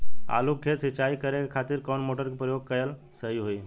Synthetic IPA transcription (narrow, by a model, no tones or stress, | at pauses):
a̰lukʰːet̪sit͡ʃaikəɾekekʰat̪iɾkɔnmoʈəɾkepɾəjoɡ̚kəjəl | səɦiɦoi